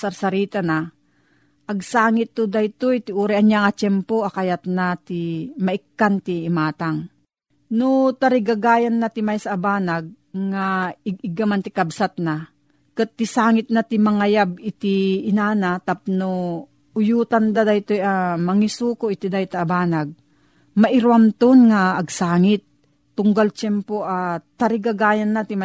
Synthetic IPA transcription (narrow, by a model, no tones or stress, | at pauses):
saɾsaɾiːt̪ana | ʔɐɡsaːŋɪt̪ːod̪ajt̪ojt̪ɪʔuːɾɛʔaɲjaŋat͡ʃɛmpoʔakajat̪̚nat̪imaʔɪkːant̪iːmaːt̪aŋ | nʊt̪aɾɪɡaɡaːjanːat̪ɪmajsaʔːbaːnaɡ̚ | ŋaɪɡɪɡamant̪ɪkabsat̪̚na | kɨt̪ːɪsaːŋɪt̪̚nat̪ɪmɐŋajab̚ɪt̪ɪɪnaːnat̪ap̚no | ʊjuːt̪and̪ad̪ajt̪ojamɐŋisuːkoʔɪt̪ɪd̪ajt̪aːbaːnaɡ̚ | mɐʔɪɾuamt̪ʊnŋaːɡsaːŋɪt̪̚ː | ʊŋɡalt͡ʃɛmpoʔat̪aɾɪɡaɡaːjanːat̪ɪma